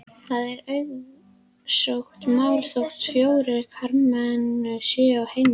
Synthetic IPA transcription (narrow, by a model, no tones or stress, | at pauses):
θaðɛɾœɥð | sowxt̪mawlsowxt̪fjoːwɾɪɾkʰaɾmansɪːawhejm